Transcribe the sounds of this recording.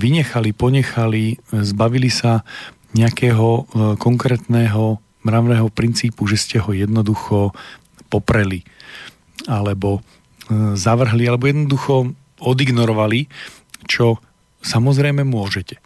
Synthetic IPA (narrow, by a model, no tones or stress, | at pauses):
ʋiɲɛxalipɔɲɛxalizbaʋilisa | ɲɛakɛːɦɔkɔŋkɾɛːt̪nɛːɦɔ | mɾaʋnɛːɦɔpɾint͡siːpuʒɛscɛɦɔjɛd̪nɔd̪uxɔ | pɔpɾɛli | alɛbɔ | zaʋr̩ɦlialɛbɔjɛd̪nɔd̪uxɔ | ɔd̪iɡnɔɾɔʋali | t͡ʃɔ | samɔzɾɛjmɛmʊɔʒɛcɛ̥